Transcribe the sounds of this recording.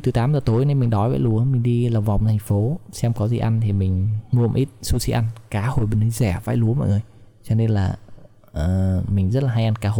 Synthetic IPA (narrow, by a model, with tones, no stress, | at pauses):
t̪ɨ˨˦t̪aː˨˦mzəː˨˩t̪o˨˦jne˧nmï˨˩ŋ̟ɗɔ˨˦jva̰ː˧˥jlu˨˦əmï˨˩ŋ̟ɗi˧lə˨˩wŋ͡mva˨˩wŋ͡mt̪ʰjŋ̟fo˨˦sɛ˧mkɔ˨˦zḭ˧˩ʔa˧nt̪ʰi˨˩mï˨˩ŋ̟ŋu˧˨ə˨mʔi˦˥t̚su˧sḭ˧˥ʔa˧nkaː˨˦ho˨˩jɓe˧nʰɨ˨˦zɛ˧˩va̰ː˧˥˦jlu˨˦mɔ̰˧˨jŋəː˧˩j | t͡ɕɔ˧ne˧nlaː˨˩ | ʔəː˨˩mï˨˩ŋ̟zə˦˥t̚laː˨˩ɦa˧jʔa˧nkaː˨˦ɦo˧˨˩j